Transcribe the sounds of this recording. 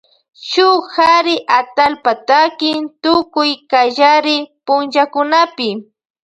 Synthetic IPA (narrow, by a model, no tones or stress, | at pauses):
ʃʊhaɾɪʔat̪alpat̪akɪnt̪ʊkʊjkaʒaɾɪpʊnʒakʊnapɪ